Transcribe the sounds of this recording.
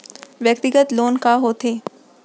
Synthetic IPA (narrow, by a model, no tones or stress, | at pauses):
ʋjək̚t̪ɪɡət̪loːnkaɦot̪ʰeː